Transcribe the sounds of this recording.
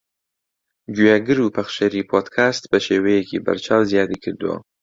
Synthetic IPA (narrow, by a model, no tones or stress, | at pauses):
d͡ʒujaɡɨɾupaxʃaɾipʰod̪kʰast̪pəʃewejekʰeba̰ɾt͡ʃʰɑwzjɑd̪ekəɾd̪wa̰